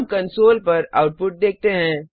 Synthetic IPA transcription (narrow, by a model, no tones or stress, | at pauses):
mkɐnsoːlpɐɾaʊʈ̚pʊʈ̚d̪eːk̚t̪eɦɛ̃ː